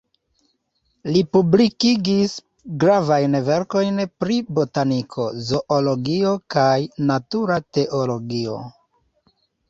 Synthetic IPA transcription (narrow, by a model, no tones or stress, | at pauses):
lipublikiɡis | ɡɾavajnve̞ɾko̞jnpɾibo̞tanikʰo̞zo̞ʔolo̞ɡio̞kajnatuɾate̞ʔo̞lo̞ɡio̞̰